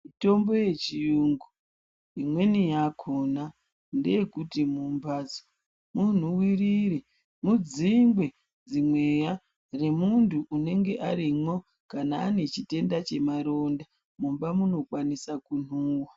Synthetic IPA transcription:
mito̞mbo̞je̞t͡ʃijuːŋɡu | imwe̞nijakʰona | ndejekutimumbaːd͡zo | mun̤uwiriɾe | mud͡ziŋɡwe̞ | d͡zimwe̞ja | re̞muntʰuːne̞ŋɡe̞ʔaɾimwo̞ | kanaːne̞t͡ʃite̞ndat͡ʃe̞maɾo̞nda | mumbamuno̞kwanisakunuːwa

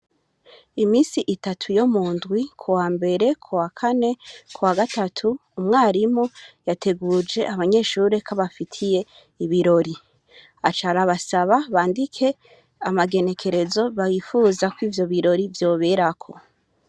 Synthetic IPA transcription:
imiːsiʔitatʰujo̞muːndɡwikʰuwaːmbe̞ɾe̞kʰuwakʰane̞kʰuwaɡatatʰuːmŋaːɾimo̞jatʰe̞ɡud͡ʒe̞ʔaβaɲe̞ːʃuːɾekʰaβafitʰije̞ | iβiɾo̞ɾi | at͡ʃaɾaβasaβaβaːndikʰe̞ | amaɡe̞ne̞kʰe̞ɾe̞zo̞βajifuːzakwiːvjo̞βiɾo̞ɾivjo̞ːβe̞ɾakʰo̞

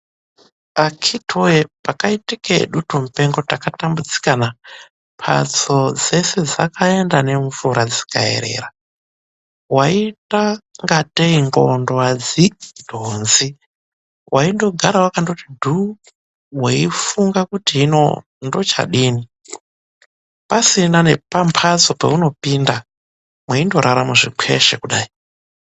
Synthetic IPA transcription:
akʰitʰoepakaitikeɗutum̩pe̞ŋɡo̞takatambut͡si̥kana | pʰa̰t͡sod͡ze̞se̞d͡za̰kʰae̞ndane̞ɱvuɾad͡zi̥ka̰e̞̰ɾe̞̰ːɾa | waitaŋɡateiŋɡondowad͡zid̥ʱonzi | wʔaindo̞ɡʱaɾawakando̞tidʱu | weifuŋɡakutiino̞̰ | ndo̞t͡ʃa̰ɗiːni | pasinane̞pampʰazo̞pa̰uno̞pinda | mwaindo̞ɾʔaɾamuʐikʰḛʃḛkuɗaːi

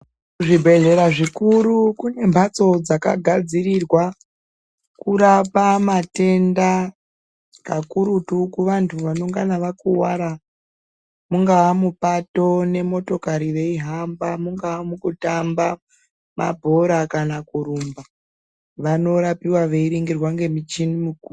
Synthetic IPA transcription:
ʐibʱe̞ɮe̞ɾaʐikuɾukune̞mbʱat͡so̞d͡zaka̰ɡʱad͡zirirwa | kuɾapamate̞nda | kakuɾutukuʋantʰuʋano̞ŋɡanaʋakuwaɾa | muŋɡaamupato̞ne̞mo̞to̞kaɾiʋe̞iɦambamuŋɡawamukutamba | ma̰bʱo̞ɾakanakuɾumba | ʋano̞ɾapiwaʋe̞iɾiŋɡirwaŋɡe̞mit͡ʃinimuku

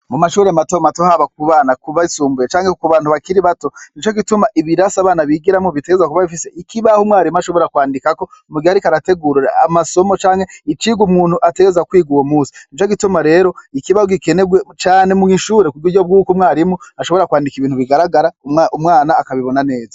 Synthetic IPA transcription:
mumaʃuːɾeamatomatohaβak̚uβaːnakuβaisuːmbujet͡ʃaːŋekuβaːnhuβakiɾiβato̞nit͡ʃo̞ɡitumaʔiβiɾasaːβaːnaβiɡiɾamŋoβite̞ɡezakuβaβifise̞ʔikiβahomŋwaːɾimuaʃo̞βo̞ɾakwaːndikako̞muɡihaɾikaɾate̞ɡuɾɾa̰a̰maso̞mot͡ʃaːŋhe̞it͡ʃiːɡumŋuːn̥huʔate̞ɡezakwiːɡuwomuːsi̥nit͡ʃoɡitumaɾe̞ːɾo̞ikiβahoɡike̞ne̞ɡwe̞t͡ʃaːne̞muŋiʃuːɾekuɾjuɾjob̚ɡuːkomŋaːɾimuaʃo̞βo̞ɾakwaːndikiβiːnhuβiɡaɾaɡaɾaʔumŋaːnaːkaβiβo̞nane̞ːza

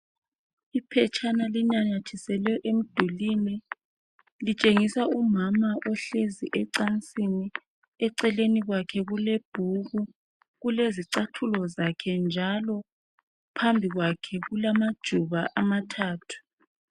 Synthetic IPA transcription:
ipʰɛt͡ʃʰʼanaliɲaɲat͡ʃʰisɛlɛʔem̩d̥ʱulinɛ | lit͡ʃʼeŋisaumamaʔɔɬeziʔɛǀant͡sʼini | ɛǀɛleniɣwakʰɛɣuleb̥ʱuɣu | ɣuleziǀatʰulɔzakʰɛnd͡ʒʱalɔ | pʰambʱiɣwakʰɛɣulamad̥ʒ̥ʱuβaʔamatʰaːtʰu̥

